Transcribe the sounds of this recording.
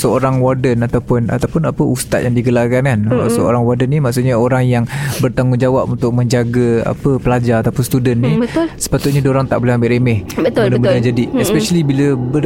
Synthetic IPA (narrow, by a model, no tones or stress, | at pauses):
səoɾaŋwardənat̪awpʊna̰t̪awpʊnapəʔust̪a̰t̪̚jaŋdiɡəlarkankansəo̰ɾaŋwardənːimaʔksut̪̚ɲaoɾaŋjaŋbərt̪aŋɡʊŋd͡ʒawapunt̪ʊk̚mə̃ɲd͡ʒaɡaa̰pəpəlad͡ʒaat̪apʊnst̪udənːiəsə̥pat̪ʊt̪̚ɲadoɾaŋt̪a̰ʔbolɛɦambɪʔɾemɛhəədəmədand͡ʒadiɛspɛʃalibiləbə